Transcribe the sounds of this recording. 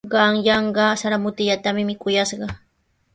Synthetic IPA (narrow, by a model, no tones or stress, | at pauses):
ɢɑŋjɑɴɢɑsaɾamʊt̪ɪʎat̪amɪmɪkʊjaʃɢɑ